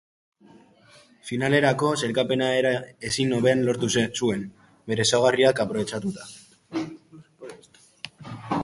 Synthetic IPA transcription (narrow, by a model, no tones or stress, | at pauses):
finale̞ɾako̞se̞ɾkape̞naeɾae̞sino̞βe̞anlo̞ɾt̪usue̞n | be̞ɾe̞saɣ̞ariakapɾo̞βe̞t͡ʃat̪ut̪ḁ